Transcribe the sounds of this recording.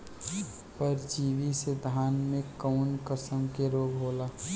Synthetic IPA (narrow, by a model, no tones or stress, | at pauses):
pəɾd͡ʒiːʋised̪ʱaːnmẽkəʊnkəsəmkeɾoːɡɦoːlaː